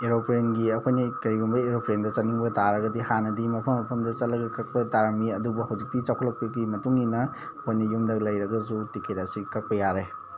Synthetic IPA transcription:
eɾopʰɾenɡiɐkʰojnɐkɐɾɡumbɐeɾopʰɾendɐt͡ʃɐniŋbɐtaɾɐɡɐdihanɐdimɐpʰɐmːɐpʰɐmdɐt͡ʃɐt̚lɐɡɐkɐk̚pɐtaɾaŋɡiɐdubuɦɐwzik̚pit͡ʃawkʰɐlɐk̚pɐɡimɐtuŋinɐ | ɐkʰojnɐjumdɐklɐjɾɐɡɐsutikʰeɾɐsikɐk̚pɐjaɾe

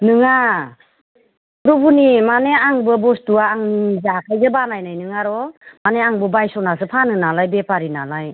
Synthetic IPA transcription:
nɯŋa | pɾubunimaneaŋbɯbɔstuaːŋzakʰajzɯbanajnajnɯŋaɾɔmaneaŋbɯbajsɔnasɯpʰanɯnalajbepʰaɾinalaj

